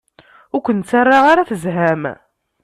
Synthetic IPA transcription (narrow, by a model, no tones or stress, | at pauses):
ʊkʷənt͡sːarˤːaʁaɾaθəzɦæm